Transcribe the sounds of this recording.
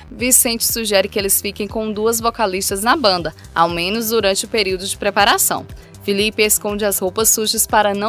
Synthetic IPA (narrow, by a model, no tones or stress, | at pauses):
visẽnt͡ʃɪ̥suʒɛɾɪkɪelɪsfikẽj̃kõw̃d̪uɐzvokalist̪ɐznɐbɐ̃nd̪ɐ | a̰wmẽnʊz̬d̪uɾɐ̃nt͡ʃɪʊpeɾiwd̪ʊd͡ʒɪpɾepaɾasɐ̰̃w̃ | filipɪeskõnd͡ʒɪɐshowpɐsːuʒɐspaɾɐnɐ̃